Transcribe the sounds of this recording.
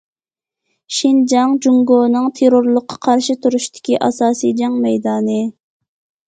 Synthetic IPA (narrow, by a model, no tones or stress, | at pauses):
ʃind͡ʒɑŋd͡ʒuŋɡoːnɨŋt̪ʰeɾoɾlˠʊqʰːɑ̥qʰɑɾʃit̪ʰuɾuʃt̪ʰɪ̥kʲiʔɑsɑːsid͡ʒɑŋmɛjd̪ɑːnɨ